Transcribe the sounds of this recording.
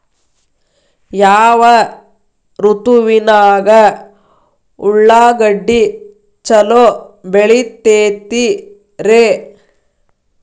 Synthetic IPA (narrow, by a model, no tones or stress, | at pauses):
jaːʋɐ | ɾut̪uʋinaːɡɐ | uɭːaːɡɐɖːi | t͡ʃɐlobeɭit̪ːeːt̪i | ɾeː